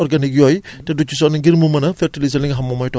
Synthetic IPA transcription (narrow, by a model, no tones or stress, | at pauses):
ɔɾɡanik̬jɔjtɛdut͡ʃːus̬ɔniɡiɾmumɐnɐfʰeɾtilizɐniŋɦamːɔmɔjtɔ